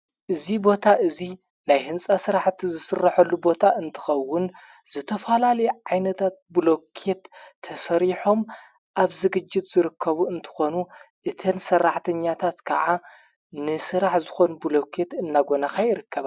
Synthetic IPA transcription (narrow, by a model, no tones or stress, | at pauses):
ʔɨzibo̞t̪ʰaʔɨzi | najhɨnsʼasɨɾaħt̪ʰizɨsɨrːɐħɐlːubo̞t̪ʰaʔɨnt̪ʰɨ̥xɐwːʊn | z̥ɨt̪ʰɐfɐlalɐjʕajnɐt̪ʰat̪̚blo̞kʰe̞t̪ʰːɐsɐɾiħo̞m | ʔaβzɨɡɨd͡ʒːɪt̪z̥ɨɾɨkʰːɐβuɨnt̪ʰɨ̥xo̞nuʔɨt̪ʰɐnsɐrːaħt̪ʰɐɲːat̪ʰat̪kʰaʕa | nɨsɨɾaħzɨxo̞nubɨlo̞kʰe̞t̪ɨnːaɡo̞nakajɪɾɨkːɐβa